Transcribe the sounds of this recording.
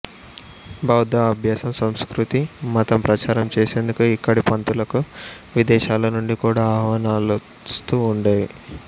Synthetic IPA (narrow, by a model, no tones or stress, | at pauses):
bɐwd̪aɐbʱjaːsɐmsɐmskɾut̪imɐt̪ɐmpɾɐt͡ʃaːɾɐmt͡ʃeːseːnd̪ukuikːɐɽipɐnt̪ulɐku | ʋid̪ɛːʃaːlɐnuɳɖikuːɽaːaːɦʋanaːl | st̪uːɳɖaːji